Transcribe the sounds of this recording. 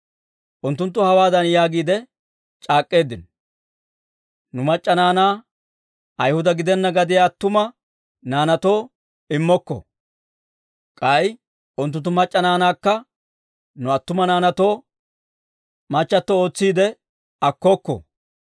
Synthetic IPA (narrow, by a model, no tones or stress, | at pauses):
ʔʊnt̪ːʊnt̪ːʊhɐwaːd̪ɐnjaːɡiːd̪ɛ | t͡ʃʼaːkʼːe̞ːd̪ɪn | nʊmɐt͡ʃʼːɐnaːnaː | ʔɐjhʊd̪ɐɡɪd̪ɛnːɐɡɐd̪ɪjaːt̪ːʊmɐ | naːnɐt̪o̞ː | ɪmːɔkːɔ̰ | kʼɐj | ʔʊnt̪ːʊnt̪ːʊmɐt͡ʃʼːɐnaːnaːkːɐ | nʊɐt̪ːʊmɐnaːnɐt̪oː | mɐt͡ʃːɐt̪ːooːt͡sːiːd̪ɛ | ɐkːɔkːɔ̰